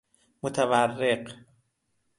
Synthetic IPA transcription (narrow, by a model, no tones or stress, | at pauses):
mot̪ʰæværːeq